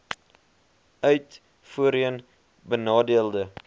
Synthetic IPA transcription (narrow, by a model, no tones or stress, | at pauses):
œɥt | fuəɾiən | bənɑːdiəlˠdə